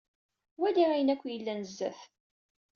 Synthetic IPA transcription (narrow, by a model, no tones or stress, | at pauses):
wæliʁæjənækʷːjəlːænəzːæθ